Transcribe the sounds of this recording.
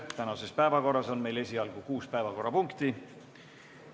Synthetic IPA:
t̪ænɑse̞spæevɑko̞rːɑso̞nme̞jle̞sʲiɑlɡ̥ukuːspæevɑko̞rːɑpuŋkt̪i

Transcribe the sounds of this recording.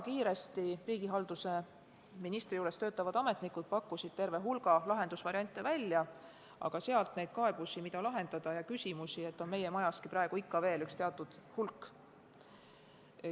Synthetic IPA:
kiːɾe̞st̪iriːɡ̥iɦɑld̪use̞ | minist̪rijuːɾe̞st̪ø̞ːt̪ːˑɑvɑd̪̥ɑme̞t̪nikːud̪̥̚pɑkːusid̪̥̚t̪e̞rve̞ɦulɡ̥ɑlɑɦe̞nd̪̥usvɑɾiɑnʲt̪ːˑe̞vælʲːjɑ | ʔɑ̰ɡ̥ɑse̞ɑlt̪ˑne̞jd̪̥̚kɑeb̥usimid̪ɑlɑɦe̞nd̪̥ɑd̪̥ɑjɑkysʲimusie̞t̪ːˑo̞nme̞je̞mɑjɑskiprɑe̞ɡ̥uikːɑve̞ːlykst̪e̞ɑt̪ːˑud̪̥hulkːˑ

